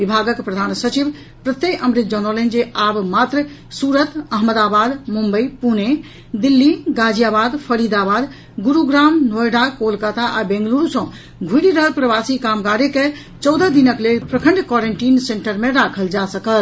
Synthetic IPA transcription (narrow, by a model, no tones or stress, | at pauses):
ʋibʱaɡəkpɾəd̪ʱansət͡ʃib | pɾət̪ejʔəmɾit̪̚d͡ʒənɔlənd͡ʒeʔabmat̪ɾə | suɾət̪əɦməd̪abad̪mumbəjpune | d̪ilːiɡad͡ʒijabad̪pʰəɾid̪abad̪ | ɡuɾuɡɾamnojɖakolkət̪aʔabẽŋɡluɾusə̃ | ɡʱuɽiɾəɦəlpɾəbasikamɡaɾeke | t͡ʃɔwd̪əd̪inəklelpɾəkʰəɳɖkɔɾeɳʈinseɳʈəɾmeɾakʰəld͡ʒasəkəl